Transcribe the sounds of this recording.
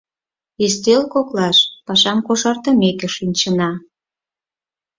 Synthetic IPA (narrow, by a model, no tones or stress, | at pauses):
est̪elkoklɑʃpɑʃɑmkoʃɑrt̪əmekĕʃinʲt͡ɕənɑ